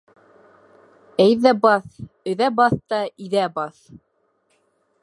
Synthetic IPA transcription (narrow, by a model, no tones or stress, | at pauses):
æjðæbɑθ | ɵ̆ðæbɑθt̪ɑiðæbɑθ